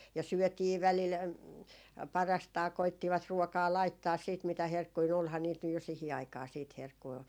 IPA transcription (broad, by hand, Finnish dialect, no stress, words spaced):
jɑ syøtiː ʋælil pɑrɑstɑː koitːiʋɑt ruokɑː lɑitːɑːs siːt mitæ herkːui ny olhɑː niːt nyj jo sihi ɑikɑː siːt herkːui